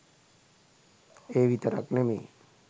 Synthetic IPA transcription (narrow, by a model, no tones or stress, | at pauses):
eʋit̪əɾa̰knemḭ